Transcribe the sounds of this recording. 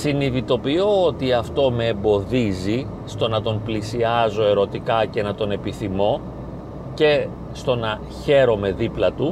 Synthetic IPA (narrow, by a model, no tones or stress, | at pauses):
siniðit̪o̞pioot̪iɐft̪o̞me̞ːmbo̞ðizi | st̪o̞nɐt̪o̞mplisiɐzo̞e̞ɾo̞t̪ikɐce̞nɐt̪o̞ne̞piθimo̞ | ce̞ | st̪o̞nɐ | çe̞ɾo̞me̞ðiplɐt̪u